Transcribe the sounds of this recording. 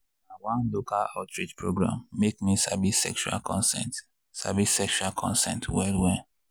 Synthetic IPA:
awãnlokalatɹitpʰɹoɡɹã̰mːekmisabisɛ̰kʃua̰lkʰɔ̰̃nsɛ̰̃nt | sa̰bisɛkʃualkʰɔ̰̃nsɛ̰̃ntwɛlwɛ

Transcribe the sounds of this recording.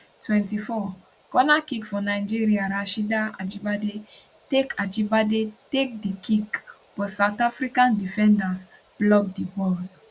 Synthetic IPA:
twɛ̃ntifɔ | kɔnakikfɔnaɪ̃d͡ʒiɾiaɾaʃidaa̰d͡ʒibade | tekad͡ʒibadetek̚dikik | b̥ɔsawtafɾikãndifɛ̃ndas | b̥lɔk̚dibɔd

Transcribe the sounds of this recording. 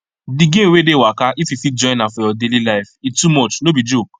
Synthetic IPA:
diɡẽwedewakaʔififid͡ʒɔ̃ɪ̃nafɔjɔdelilaɪfitumɔt͡ʃnobid͡ʒok

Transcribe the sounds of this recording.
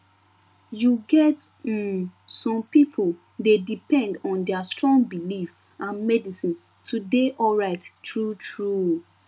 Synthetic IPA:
juɡɛt̩ | sɔ̃mpipʰol | dedipɛ̃ndɔ̃ndɛastɹɔ̃ŋɡbilif | ãnmɛdisĩn | tʰudeʔɔlɹaɪttɹutʰɹu

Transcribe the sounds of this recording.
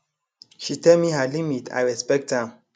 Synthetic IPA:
ʃitɛlmiɦalimitʰa̰jɹɛspɛk̚thãm

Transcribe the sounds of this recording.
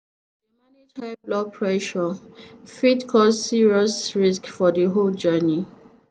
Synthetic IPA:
manitʰablɔpʰɹɛʃɔfitkʰɔssiɹiɔsɹiskfɔdəɦold͡ʒɜni

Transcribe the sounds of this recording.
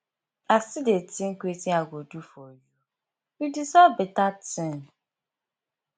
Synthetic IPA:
asidetiŋ̩kʷetiaɡʷodufɔju | jidisɔbɪtatɪ̃n

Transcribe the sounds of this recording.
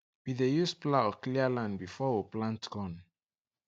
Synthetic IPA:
bidejusplaɔklialãnbifɔwiplãntɡ̥ɔ̃n

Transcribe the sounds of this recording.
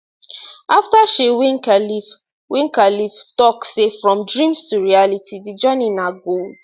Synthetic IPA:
aftaʃewĩŋkalif | wĩŋkaliftɔksefɹɔ̃mdɹĩmstuɹialitidid͡ʒaninaɡold

